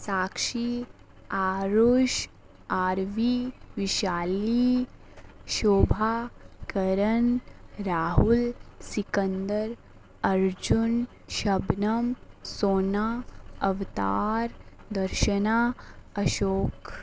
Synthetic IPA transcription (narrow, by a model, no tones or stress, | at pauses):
saːkʃi | aːɾoːʃ | aːɾʋiʋɪʃaːli | ʃoːbʱakɐɾənɾaːɦulsikənd̪əɾ | ɐɾd͡ʒun | ʃɐbnɐmsoːnaːɐʋt̪a̰ːɾd̪ɐɾʃənaːɐʃoːk